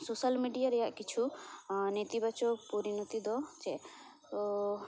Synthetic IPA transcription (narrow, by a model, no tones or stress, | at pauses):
sosalmiɖijaɾɛjaʔkit͡ʃʰunet̪ibat͡ʃɔpuɾinɔt̪id̪ɔt͡ʃɛ | t̪ɔ